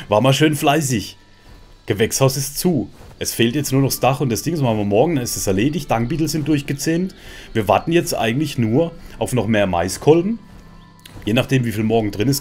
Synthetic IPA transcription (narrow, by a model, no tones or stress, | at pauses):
vaːɐmaːlʃøːnflaɪs̬ɪç | ɡ̥əvɛkshaʊsɪstt͡suːʔɛsfeːltjɛt͡stnuːɐnɔχsd̥aχʊntd̥asd̥ɪŋzsohaːmvɪɐmɔɐɡŋ̩danɪstasɛɐleːdɪçtd̥aŋbiːtl̩zɪnt̚d̥ʊɐçɡ̥ət͡seːntviːɐvaɐtn̩jɛt͡stʔa̰ɪɡŋ̩tlɪçnuːɐʔaʊfnɔχmeːɐma̰ɪskʰɔlbm̩ | jeːnaχd̥eːmviːfiːlmɔɐɡŋ̩dʁɪnɪs